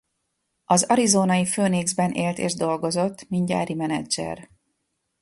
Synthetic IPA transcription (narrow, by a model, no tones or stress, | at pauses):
ɒzɒɾizoːnɒjiføːneːɡzbɛnʔeːlt̪ḛːʒd̪o̞lɡo̞zo̞t̪ːminɟa̰ːɾimɛnɛ̰d͡ʒɛ̰r